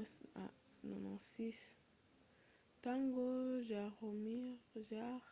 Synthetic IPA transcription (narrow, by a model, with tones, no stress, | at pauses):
sa̰ | nɔ̰˨nɔ̰̃si˦s | tã˦ŋɡo˦ʒa˨ʁo˨mi˦ʁʒa